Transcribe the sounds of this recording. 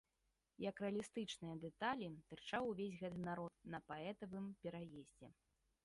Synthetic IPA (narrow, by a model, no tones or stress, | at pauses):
jɐkɾɛɐlʲist̪ɨt͡ʂnɨjɐd̪ɛt̪alʲit̪ɨrt͡ʂawvʲesʲɣɛt̪ɨnaɾɔt̪̚nɐpaɛt̪ɐvɨmpʲɛɾajezʲd͡zʲɛ̰